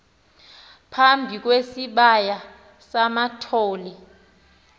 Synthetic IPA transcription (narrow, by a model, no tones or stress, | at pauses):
pʰambʱik̬ʼwesiɓaja | samatʰoːli